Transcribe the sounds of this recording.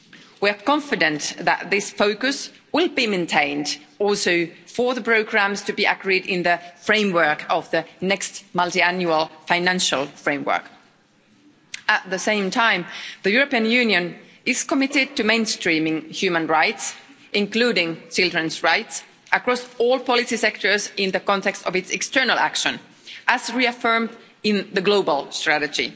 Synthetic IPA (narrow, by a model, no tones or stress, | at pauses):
wiə˞kɑ̃ɱfɨdɨ̃nðə̰t̪̚ðɪsfoʊkɨs | wɪlˠbimẽntʰẽɪ̃ndɔlˠsoʊfəðəpʰɹ̥oʊɡɹæ̃mz̥tʰɨbiʔəkɹiɾɪ̃nðɨfɹẽɪ̃mwɜ˞kʌvðɨnɛkstmʌlˠtiæ̃njuəlˠfãɪ̃næ̃nʃəl̩ˠfɹẽɪ̃mwɜ̰˞k | ət̪̚ðɨsẽɪ̃mtʰãɪ̃mðəjuɹəpiɨ̃njʉnjɨ̃n | ɪz̥kəmɪɾɪd̚tɨmẽɪ̃nstɹ̥ĩmɪ̃ŋhjʉmə̃nɹaɪts | ʔɪ̃ŋkluɾɪ̃ŋt͡ʃɪlˠdɹə̃nsɹaɪts | ʔəkɹ̥ɔsɔlˠpɑlˠɪsisɛk̚tə˞zɪ̃nðɨkɔ̃ntɛkstɔvɨtsɛkstɜ˞nəl̩ˠæ̰kʃə̃n | ʔəzɹiəfɜ˞md | ɪ̃nðɨɡloʊbəlˠstɹ̥æɾɨd͡ʒḭ